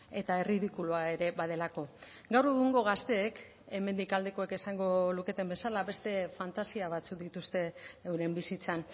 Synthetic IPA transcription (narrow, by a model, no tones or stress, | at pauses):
e̞t̪aeriðikuluae̞ɾe̞βað̞e̞lako̞ | ɡawɾe̞ɣ̞uŋɡo̞ɣ̞ast̪e̞ːk | e̞me̞nd̪ikald̪e̞ko̞ekesaŋɡo̞luke̞t̪e̞mbe̞salaβe̞st̪e̞fant̪asiaβ̞at͡suk̚d̪it̪ust̪e̞ːwɾe̞mbisit͡san